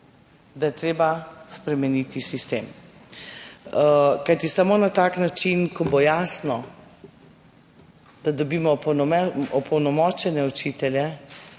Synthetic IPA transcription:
d̪ajɛt̪ɾeːbaspɾɛmɛnit̪isist̪eːm | kajt̪isamoːnat̪aknat͡ʃinkɔbojaːsnɔ | d̪̥ad̪ɔbiːmɔpnɔɛɔpɔwnɔmɔt͡ʃɛnɛut͡ʃit̪ɛljɛ

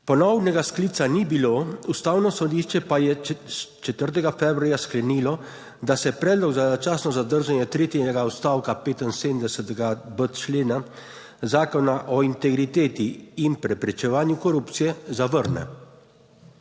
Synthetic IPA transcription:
pɔnɔwnɛɡaskliːt̪sanibiloust̪aːwnɔsɔd̪iʃt͡ʃɛpajɛst͡ʃɛt̪əɾt̪ɛɡafɛbɾuajasklɛniːlɔ | d̪asɛpɾɛːd̪lɔɡzat͡ʃaːsnɔzad̪əɾʒanjɛt̪ɾeːt̪inɛɡaɔst̪aːwkapeːt̪inseːd̪md̪ɛsɛt̪ɛɡabət̪t͡ʃleːna | zaːkɔnaʔɔint̪ɛɡɾit̪eːt̪iːnpɾɛpɾɛt͡ʃɛʋaːnjukɔɾuːpt̪sijɛzaʋəɾnɛ̰

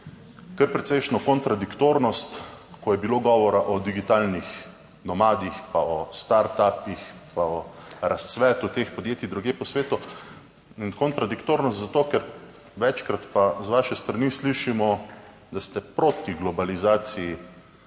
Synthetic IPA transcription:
kəɾpɾɛt̪sɛjʃnɔkɔnt̪ɾad̪ikt̪oːɾnɔst̪kɔjɛbiloːɡɔːʋɔɾaʔɔd̪iɡit̪alnix | nɔmaːd̪ixpaɔst̪aɾt̪apixpaɔɾast̪sʋɛːt̪ut̪eːxpɔd̪jeːt̪jid̪ɾuɡjeːpɔsʋeːt̪u | inkɔnt̪ɾad̪ikt̪oːɾnɔst̪zat̪oːkɛɾ | ʋɛt͡ʃkɾat̪pazʋaːʃɛst̪ɾanisliʃimɔ | d̪ast̪ɛpɾot̪iɡlɔbalizaːt̪siji

